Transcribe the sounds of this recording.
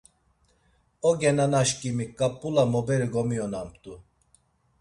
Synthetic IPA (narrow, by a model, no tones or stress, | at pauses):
ɔɡɛnanaʃkʼimikʼːapʼːulamɔbɛɾiɡɔmijɔnampʰt̪ʼu